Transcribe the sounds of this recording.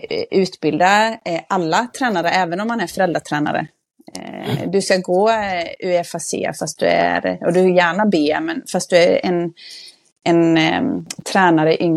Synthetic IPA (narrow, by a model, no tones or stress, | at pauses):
ʉ̟ːt̪bɪld̪aʔalːat̪ʰɾɛːnaɾəɛːvənɔmːanæɾfœɾɛld̪ɾaʈ̪ʰɾɛːna̰ɾə̰ | d̪ɵskaɡoːʉːɛfasḛːfast̪̚d̪ɵ̰æ̰ɾɔd̪ɵɪjæːɳabeːmɛnfast̪̚d̪ɵæɾɛ̰n | ʔɛn | t̪ʰɾɛːnaɾəɪʔʏŋ